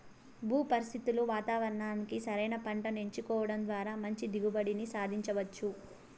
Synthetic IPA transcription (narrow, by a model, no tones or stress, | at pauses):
bʱuːpɐɾist̪it̪uluʋaːt̪aːʋɐɾɐɳaːnikisɐɾɐjnɐpɐɳʈɐneɲt͡ʃikɔːʋɐɽɐmnd̪ʋaːɾaːmɐɲt͡ʃid̪iɡubɐɽinisaːd̪ʱiɲt͡ʃɐʋɐt͡ʃːu